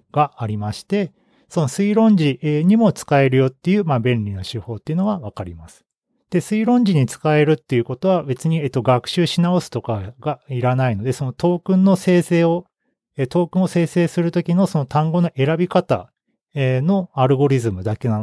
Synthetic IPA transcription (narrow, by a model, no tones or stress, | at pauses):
ɡ̥aːɾʲimaɕi̥t̪e̞ | so̞no̞sɨiɾõ̞ɲ̟d͡ʑieɲ̟imo̞t͡sɨ̥kae̞ɾɯ̟jo̞t̪ːe̞jɯ̟ːmabẽ̞nɾʲino̞ɕɨho̞ːt̪ːeiɯ̟no̞ɡaβakaɾʲimasɨ̥ | d̪̥e̞sɨiɾõ̞ɲ̟d͡ʑiɲ̟it͡sɨ̥kae̞ɾɯ̟t̪ːe̞jɯ̟ko̞t̪o̞βabe̞t͡sɨɲ̟iet̪ːo̞ɡakɯ̟̥ɕɨːɕinao̞sɨ̥t̪o̞kaɡaiɾanaino̞d̪e̞so̞no̞t̪o̞ːkɯ̟̃nːo̞se̞ːseːo | et̪o̞ːkɯ̟̃ɰ̃o̞se̞ːse̞ːsɨɾɯ̟t̪o̞kʲino̞so̞not̪ãŋɡo̞no̞ʔe̞ɾabʲikat̪a̰ | eno̞aɾɯ̟ɡo̞ɾʲizɨmɯ̟d̪ake̞nan